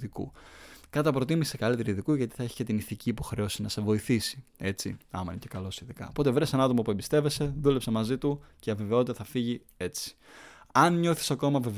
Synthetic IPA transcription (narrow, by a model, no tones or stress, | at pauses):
ikṵkɐt̪ɐpɾo̞t̪̬imisekɐlit̪eɾiðikuʝɐt̪i̥θɐeçi̥cet̪iniθiciːpo̞xɾe̞o̞sinɐse̞vo̞iθisi̥e̞t͡sḭɐ̰mɐinecekɐlo̞siðikɐ̰opo̞t̪evɾesenɐt̪o̞mopue̞mbist̪eve̞se̞ðule̞psɐmɐzit̪uceɐve̞ve̞o̞t̪it̪ɐθɐfiʝi | e̞t͡si̥ɐnɲo̞θi̥sɐko̞mɐvev